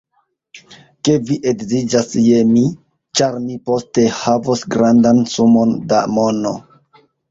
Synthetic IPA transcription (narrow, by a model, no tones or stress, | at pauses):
ke̞viʔe̞ɡzid͡ʒasje̞mi | t͡ʃaɾmipo̞ste̞havosɡɾandansumo̞ndamo̞no̰